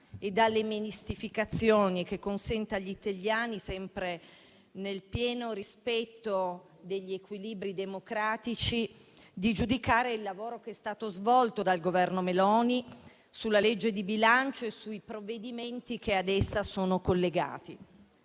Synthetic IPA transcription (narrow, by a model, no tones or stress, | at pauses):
ed̪alːeminist̪ifikat̪sːjoːnik̟ekːonsɛnt̪aʎːit̪aʎːjaːnisɛmpɾe | nelpjɛːnoɾispɛt̪ːo | d̪eʎːiekwiliːbɾid̪emokɾaːt̪it͡ʃi | d̪id͡ʒud̪ikaːɾeilːavoːɾokeɛst̪aːt̪ozvɔlt̪od̪alɡovɛrnomelɔːni | sulːaled͡ʒːed̪ibilant͡ʃoesuipɾoved̪iment̪ik̟ead̪ɛsːasoːnokolːeɡa̰ːt̪i